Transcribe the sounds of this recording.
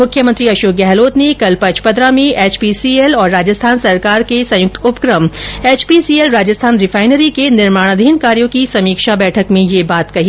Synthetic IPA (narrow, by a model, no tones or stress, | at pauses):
mʊkʰjəmə̃nt̪ɾiɐʃoːk̚ɡɛɦloːt̪nekɐlpɐt͡ʃpɐd̪ɾamẽʔeːt͡ʃpisiːelɔːɾːaːd͡ʒəst̪ʰaːnsɐɾkaːɾkesɐ̃jʊk̚t̪ʊpkɾəmeːt͡ʃpisiːelɾaːd͡ʒəst̪ʰaːnɾɪfʰaːɪnəɾikenɪɾmaːɽ̃əd̪ʱiːnkaːɾjõkisɐmiːkʃabɛːʈʰəkmẽjebaːt̪kɐɦi